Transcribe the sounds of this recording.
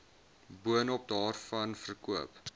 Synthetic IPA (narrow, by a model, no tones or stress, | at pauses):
buənɔp̚dɑːrfɐnfərkuəp